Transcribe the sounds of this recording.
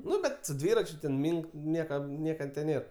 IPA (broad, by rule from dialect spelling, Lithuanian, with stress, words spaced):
ˈnʊ bʲɛt sʊ ˈdʲʋʲiːrɐt͡ʃʲʊ tʲɛn ˈmʲiːŋk ˈnʲiɛkɐm ˈnʲiɛkɐ tʲeː ˈnʲeːr